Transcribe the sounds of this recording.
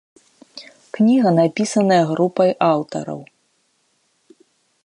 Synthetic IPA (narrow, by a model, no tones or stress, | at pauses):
knʲiɣɐnapʲisɐnɐjɐɣɾupɐjʔawt̪ɐ̰ɾɐ̰w